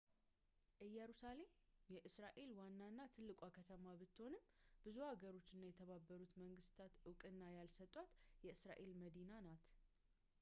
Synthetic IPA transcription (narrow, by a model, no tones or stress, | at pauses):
ʔɨjɛɾusale̞mjɛʔɨsɾaʔe̞lwanːanːat̪ʰɨlːɨkʷʼakʰət̪ʰəmaβɨt̪ːho̞nɨmbɨzuhaɡəɾo̞t͡ʃːɨnːajɛt̪ʰəβabːəɾut̪məŋɡɨst̪ʰat̪ɨwkʼɨnːajalsət̪ʼːwat̪jɛɨsɾa̰ʔe̞lməd̪inanat̪